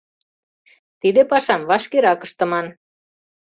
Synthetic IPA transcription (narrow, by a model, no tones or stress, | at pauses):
t̪id̪epɑʃɑmβɑʃkeɾɑkə̆ʃt̪ɤ̆mɑn